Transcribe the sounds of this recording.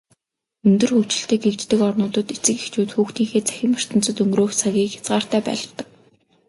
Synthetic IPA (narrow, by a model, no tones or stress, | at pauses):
ɵnt̪ɵ̆rxuwʰt͡ɕɪ̆ɬt̪ĕːɡekt͡ɕt̪ɘ̆kɔrnʊːt̪ɞ̆t̪et͡sɘ̆kext͡ɕuːt̪xuːxt̪iːŋxeːt͡sæ̥xʲɪ̆mar̥t̪ʰə̆n̥t͡sɵ̆t̪ɵŋɡroːxsʰaɣʲiːkxḁt͡sɢaːr̥t̪æːpæ̰ːɮə̆t̪ə̆k̚